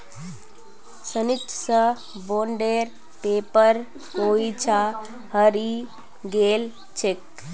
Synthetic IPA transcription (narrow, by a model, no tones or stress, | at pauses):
sənit̪sə | boɳɖeɾ | peːpəɾ | koːit͡ʃʰa | həɾi | ɡel | t͡ʃʰek̚